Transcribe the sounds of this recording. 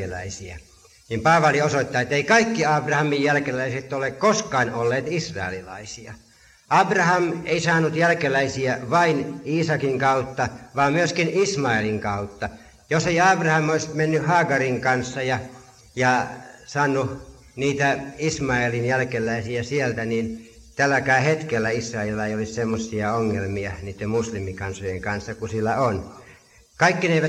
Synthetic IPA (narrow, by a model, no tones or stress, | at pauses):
elˑæ̰isiæ | nimpɑːʋɑliosoit̪ːɑːet̪ːeikɑikːiɑːbrɑhɑmijjælkelæiset̪ːolekkoskɑːnolːeːt̪isrɑ̰ḛlilɑ̰isiɑ | ʔɑbrɑhɑmeisɑːnut̪jælkelˑæisiæʋɑiniːsɑkiŋkɑut̪ːɑʋɑːmmyøskinismɑeliŋkɑut̪ːɑ | joseiɑːb̥rɑhɑmoismenːyhɑːɡɑriŋkɑnsːɑjɑ | jɑsɑːnːu | niːt̪æismɑelinjælkelːˑæisiæsielt̪ænin | t̪ælːækæˑihet̪kelːæisːɑelːɑejolissemːosːiɑoŋːelmiɑniːt̪ːemmuslimikɑnsojeŋkɑnsːɑkusilːæon | kɑikːineeiʋæ